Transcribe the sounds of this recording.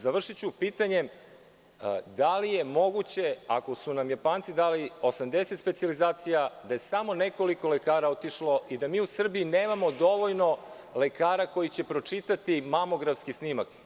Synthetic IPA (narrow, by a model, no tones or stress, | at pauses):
zaʋr̩ʃit͡ɕupiːt̪aɲe̞ | d̪alije̞mo̞ɡut͡ɕe̞a̰kosunamjapaːnt̪sid̪aːliosamd̪e̞set̪spet̪sijalizaːt̪sijad̪aje̞samo̞neko̞liko̞lekaːɾaot̪iʃlo̞ʔid̪amiːusr̩biineːmamo̞d̪o̞ʋo̞ʎno̞ | le̞kaːɾako̞jit͡ɕe̞pɾo̞t͡ʂit̪at̪imamo̞ɡɾafskisnimak